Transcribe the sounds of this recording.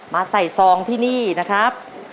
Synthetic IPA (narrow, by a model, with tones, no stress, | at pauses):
maː˧sa˨˩jsɔː˨˧˦ŋt̪ʰiː˥˩niː˥˩na˦˥kʰɾa˦˥p̚